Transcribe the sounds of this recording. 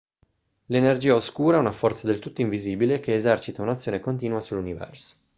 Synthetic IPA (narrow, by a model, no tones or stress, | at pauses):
lenerd͡ʒiːaoskuːɾaɛunafɔrt̪sad̪elt̪ut̪ːoiɱviziːbilekeːzɛrt͡ʃit̪aunat̪sːjoːnekont̪̬iːnuasulːunivɛ̰rso̥